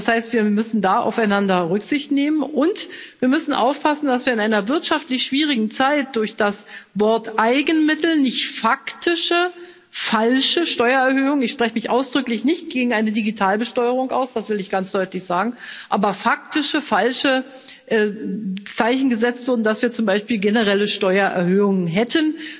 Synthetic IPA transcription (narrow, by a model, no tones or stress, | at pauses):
ashaɪstv̥iːɐmʏsn̩daːʔa̰ʊfaɪnandɐʁʏkz̥ɪçtneːmənʔʊntviːɐmʏsn̩ʔa̰ʊfpʰasn̩dasviːɐɪnʔaɪnɐvɪɐtʃaftlɪçʃv̥iːʁ̞ɪɡŋ̩t͡saɪt̚d̥ʊɐçd̥asvɔɐtʔaɪɡn̩mɪtl̩nɪçtfaktʰɪʃə | falʃəʃtɔʏɐɛɐhøːʊŋənɪçʃpʁ̥ɛçəmɪçʔaʊsd̥ʁʏklɪçnɪçt̚ɡ̥eːɡŋ̩ʔaɪnədiɡitʰaːlbəʃtɔʏəʁ̞ʊŋʔa̰ʊsd̥asv̥ɪlɪçɡ̥ant͡sd̥ɔʏtlɪçz̥aːɡŋ̩ʔaːbɐfak̚tɪʃəfalʃə | ʔɛt͡saɪçn̩ɡəzɛt͡stv̥ʊɐdn̩d̥asv̥iːɐt͡sʊmbaɪʃpiːlɡenəʁ̞ɛləʃtɔʏɐʔɛ̰ɐhøːʊŋənɦɛtʰən